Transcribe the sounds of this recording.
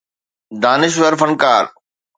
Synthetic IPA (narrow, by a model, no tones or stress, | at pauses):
d̪aːnɪʃ̬ʋəɾfɐnkaːɾ